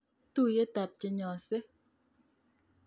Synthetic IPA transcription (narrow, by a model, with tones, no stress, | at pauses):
tu˦˨je˦ta˨p̚t͡ʃe˨ɲɔ˨se˦